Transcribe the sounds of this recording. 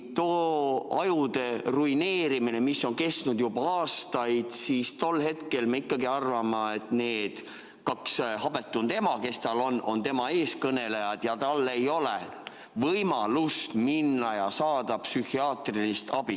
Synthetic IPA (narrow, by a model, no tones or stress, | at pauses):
t̪oːɑ̰jud̪e̞ruine̞ːɾimine̞misːo̞nke̞st̪nud̪̥jubɑɑːst̪ɑjd̪̥siːst̪o̞lːhe̞t̪ke̞lmeikːˑɑɡiɑrvɑmɑe̞t̪nee̞ːd̪̥ | kɑkshɑbe̞t̪ːˑunt̪e̞mɑke̞st̪ɑlo̞nːʔo̞nt̪e̞mɑe̞ːskɤne̞le̞jɑd̪̥jɑt̪ɑlːe̞jo̞le | vɤjmɑlust̪minːɑjɑsɑːd̪̥ɑpsyhiɑːt̪rilist̪ɑb̥i